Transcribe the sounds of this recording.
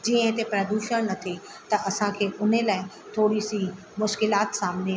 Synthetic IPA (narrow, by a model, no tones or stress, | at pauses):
d͡ʑiə̃ɦɪt̪epɾɐd̪uːʃəɽ̃nɐt̪ʰi | t̪ɐɐsãkʰeːʔʊn̤elaːɪ | t̪ʰoːɽisi | mʊʃkɪlaːt̪saːmnea